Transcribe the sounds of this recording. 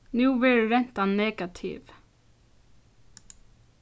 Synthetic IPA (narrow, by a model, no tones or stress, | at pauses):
nuːʋeɹɾɛn̥t̪anneːɡat̪ʰḭʋ